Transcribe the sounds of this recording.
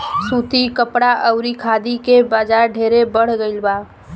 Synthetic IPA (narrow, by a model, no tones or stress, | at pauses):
suːt̪ikəpɽaʔəʊɾikʰaːd̪ikebaːd͡ʒaːɾɖʱeːɾebəɽ̤ɡəɪlbaː